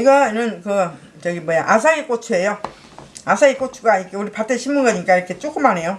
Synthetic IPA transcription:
iɡʌnɯnkɯ | t͡ɕʌɡimʌjaʔas̬ʰaik͈ot͡ɕʰuejo | asʰaik͈ot͡ɕʰuɡaiɾkʰeuɾipat͈eɕʰimːuɡʌɲik͈aiɾʌkʰe̞t͡ɕ͈ok͈umanɦe̞jo

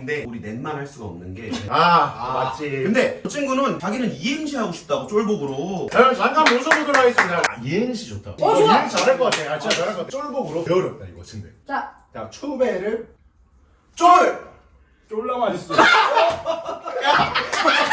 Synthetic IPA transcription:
nde̞uɾine̞nmanɦaɭs͈uɡaʌmnɯnɡe̞aabat͡ɕ͈ʰikɯnde̞t͡ɕʰiŋɡunɯnt͡ɕaɡinɯniimɕʰiɦaɡoɕʰi̥p̚t͈aɡot͡ɕ͈oɭboɡɯɾoaanɡamjonsʰʌmudɯɭɦais͈ɯaajenɕʰid͡ʑotʰa̰t͡ɕaaɭk͈ʌk͈atʰeat͡ɕiat͡ɕaɾaɭkʌatʰt͡ɕ͈oɭboɡɯɾopeʌɾʌp̚t͈a̰ḭɡʌt͡ɕʰiŋde | net͡ɕʰube̞ɾɯɭ | t͡ɕ͈oɭ | t͡ɕoɭːamaɕis͈ʌ | a

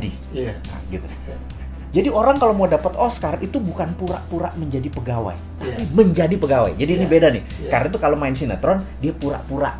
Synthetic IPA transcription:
di | ə̰ɡit̪una | d͡ʒadioɾaŋkalowmaadapət̪ɔskarit̪ubukanpuɾa̰ʔpuɾa̰ʔməɲd͡ʒadipəɡawa̰j | t̪apiməɲd͡ʒadipəɡawa̰jd͡ʒadinɪbedanɪh | karnait̪̬ukalomaɪns̬ina̰t̪ɾɔndiapuɾa̰ʔpuɾa̰ʔ

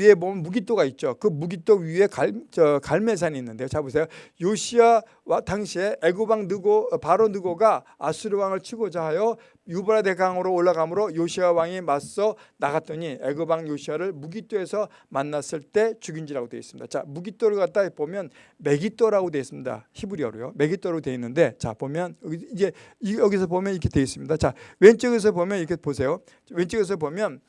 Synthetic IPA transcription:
iebomʌnmuɡit͈oɡait̚t͡ɕ͈okɯmuɡit͈oɥie̞kaʌkaɭme̞s̬ʰaniiːnːɯndeot͡ɕabus̬ʰejojoɕʰia | wataŋɕʰieeɡɯbaŋnɯɡopaɾonɯɡoɡaː | sʰuɾɯwaŋɯɭt͡ɕʰiɡod͡ʑaɦajo | jubaɾadeɡaŋɯɾoːɭːaɡamɯɾojoɕʰiawaŋemas͈ʌnaɡat̚t͈ʌɲie̞ɡɯbaŋjoɕʰiaɾɯɭmuɡit͈oe̞sʰʌ | manːas͈ɯɭt͈e̞t͡ɕuɡind͡ʑiɾaɡotwe̞is͈ɯmɲid̥a̰t͡ɕamuɡit͈oɾɯɭɡat̚t͈apomjʌn | me̞ɡit͈oɾaɡodwe̞is͈ɯmɲida̰çibuɾiʌɾojo̰me̞ɡit͈oɾaɡotwe̞inːɯnde̞t͡ɕa̰pomjʌnʌid͡ʑe̞jʌɡis̬ʰʌbomjʌnikʰeteis͈ɯmɲidat͡ɕawent͡ɕ͈ʌɡes̬ʰʌbomjʌnikʰeposʰe̞jo | went͡ɕ͈ʌɡes̬ʰʌpomjʌn

